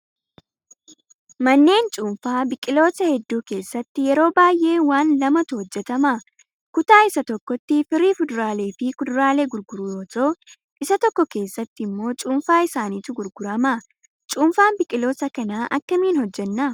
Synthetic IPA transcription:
mɐnːe̞ːnt͡ʃʼuːmfaːbɪkʼɪlo̞ːsɐhɛd̪ːuːke̞ːsːɐt̪ːɪjɛɾo̞ːbaːjʔe̞ːwaːnlɐmɐt̪ʊhɔd͡ʒːɛt̪ɐmɐ | kʊt̪aːɪsɐt̪ɔkːɔt̪ːɪfɪriːfʊd̪ʊɾaːle̞ːfɪkʊd̪ʊɾaːleːɡʊɾɡʊɾujoːt̪oː | ʔɪsɐt̪ɔkːɔke̞ːsːɐt̪ːɪɪmːo̞ːt͡ʃʼuːnfaːɪsaːniːt̪ʊɡʊɾɡʊɾɐmɐ | t͡ʃʼuːmfaːnbɪkʼɪlo̞ːsɐkɐnaːʔɐkːɐmiːnhɔd͡ʒːɛnːɐ

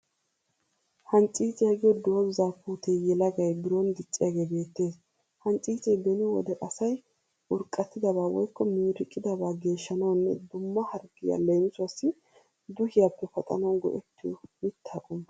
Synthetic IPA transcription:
hɐnt͡ʃʼiːt͡sʼɪjɐɡɪjɔd̪o̞ːbɪzaːpuːt̪ʰejɛlɐɡɐjbɪɾɔnd̪ɪt͡sʼːɪjɐɡe̞ːbe̞ːt̪ːe̞ːs | hɐnt͡ʃʼiːt͡sʼɛjd̪ɛnɪwɔ̰d̪ɛʔɐsɐj | ʊɾkʼːɐt̪ːɪd̪ɐβaːwɔ̰jkːɔmiːɾɪkʼːɪd̪ɐbaːɡe̞ːʃːɐnɐwnːɛ̰d̪ʊmːɐhɐɾɡɪja̰lejmsʊasːɪ | d̪ʊhɪjapːɛfɐt̪ʼɐ̰nɐwnɡɔ̰ʔɛt̪ːɪjɔ̰mɪt̪ːaːkʼʊm

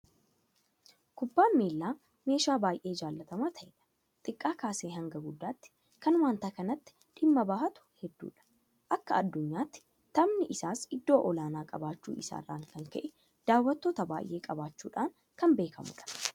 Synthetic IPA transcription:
kʊbːaːnmeːlːaː | me̞ːʃaːbaːjʔe̞ːd͡ʒaːlːɐt̪ɐmaːt̪ʰɐʔᶑɐ̥ | t̪ʼɪkʼːaːkaːseːɦɐŋɡɐɡʊd̪ːaːt̪ːɪ̥ | kɐnwaːnt̪aːkɐnɐt̪ːɪ̥ | ᶑɪmːɐbaːhɐt̪ʊ̥hɛd̪ːṵːᶑɐ̥ | ʔɐkːɐɐd̪ːʊɲːaːt̪ːɪ̥ | t̪ɐmnɪʔɪsaːsɪd̪ːo̞ːʔɔlaːnaːkʼɐ̰baːt͡ʃːṵːɪsa̰ːrːa̰ːŋkɐŋkɐ̰ʔɛ | d̪̥aːwːɐt̪ːo̞ːt̪ɐba̰ːjʔe̞ːkʼɐbaːt͡ʃːuːᶑaːŋ | kɐmbe̞ːkʰɐ̰mʊ̰ᶑɐ̥

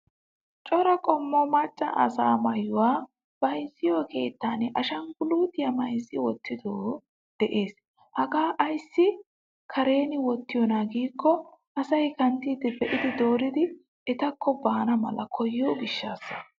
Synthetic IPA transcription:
t͡ʃʼɔɾɐkʼɔmːɔmɐt͡ʃʼːɐ̰ʔɐ̰saːmɐjʊwaː | b̥ɐjzːɪjoke̞ːt̪ːaːnɪʔɐʃɐŋɡʊluːt̪ɪjɐmɐjzɪwɔt̪ːɪd̪oː | d̪̥ɛʔe̞ːs | hɐɡaːʔɐjsːɪ | kʰɐɾe̞ːnɪwɔt̪ːɪjɔnaɡiːkːɔʔɐsɐjkɐnt̪iːd̪ɪbɛʔɪd̪ɪd̪oːɾɪd̪ɪ | ɛt̪ɐkːɔbaːnɐmɐ̰lɐkʰɔjɪjoːɡɪʃːaːsːɐ̥

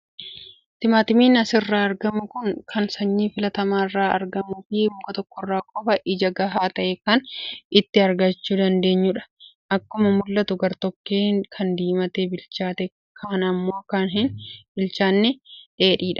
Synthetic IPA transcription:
t̪ɪmaːt̪ɪmiːnɐsɪrːaːɐɾɡɐmʊkʊŋkʰɐnsɐɲːiːfɪlɐt̪ɐmaːrːaːɐ̰ɾɡɐmuːfɪbʊkʼɐt̪ɔkːɔrːaːkʼɔfɐʔɪd͡ʒɐɡɐɦaːt̪ɐʔekɐnɪt̪ːɪɐɾɡɐt͡ʃːuːd̪ɐnd̪e̞ːɲːuᶑɐ̥ | ʔɐkːʊmɐmʊlːɐt̪ʊɡɐɾt̪ɔkːeːnkʰɐnd̪iːmɐt̪eːbɪlt͡ʃaːt̪ɛ | kʰaːnɐmːo̞ːɐkːaːnɦɪnbɪlt͡ʃaːnːɛᶑe̞ːᶑiːᶑɐ̥

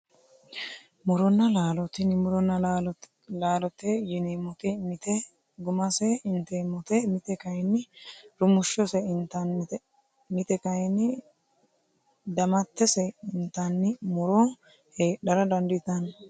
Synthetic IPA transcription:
mʊɾɔnːɐlaːlɔt̪ɪnɪmʊɾɔnːɐ | laːlɔt̪ejɪnemɔt̪ɛmɪt̪ɛ | ɡʊmɐsɛɪnt̪eːmɔt̪ɛmɪt̪ɛkɐjnɪɾʊmʊʃːɔsɛɪnt̪ɐn | mɪt̪ɛkɐjnɪ | d̪ɐmɐt̪ːɛsɛɪnt̪ɐnːɪmʊɾo | heːɗɐɾɐd̪ɐnd̪ɪt̪ɐn

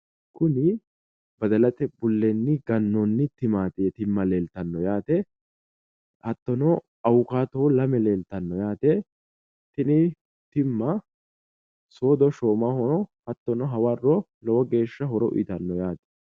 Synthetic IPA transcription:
kʰʊnɪ | bɐd̪ɐlɐt̪ɛbʊlːɛnːɪɡɐnːɔnːɪt̪ɪmaːt̪ɪɛt̪ɪmːɐle̞ːlt̪ɐnːɔjaːt̪ɛ | hɐt̪ːɔnɔ | ɐwʊkaːt̪ɔlɐmɛle̞ːlt̪ɐnːɔjaːt̪ɛ | t̪ɪnɪ | t̪ɪmːɐ | so̞ːd̪ɔʃoːmɐhɔɾɔhɐt̪ːɔnɔɦɐwɐrːɔ | lɔwɐɡe̞ːʃːɐɦɔɾɔʔʊ̰ɪt̪ɐnːɔjaːt̪ɛ̥

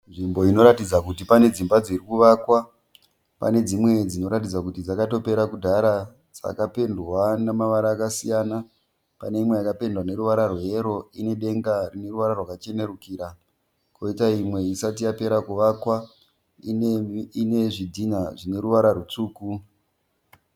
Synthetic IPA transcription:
nʐimbo̞ino̞ɾatid͡zakutipane̞d͡zimbad͡zirikuʋakwa | pa̰ne̞d͡zimwe̞d͡zino̞ɾatid͡zakutid͡zakato̞pe̞ɾakudʱaɾa | d͡za̰kape̞ndwanamaʋaɾaːkasijana | pane̞imwe̞jakape̞ndwane̞ɾuʋaɾarwee̞ɾo̞ine̞ɗe̞ŋɡarine̞ruʋaɾarwakat͡ʃe̞ne̞rukiːɾa | ko̞itaimwe̞isat̬ijape̞ɾakuʋakwa | ine̞ʐidʱinaʐine̞ɾuʋaɾarut͡suːku

